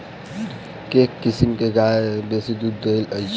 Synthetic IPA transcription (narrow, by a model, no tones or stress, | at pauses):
keːkːɪsimkeɡaːebesid̪ud̪elə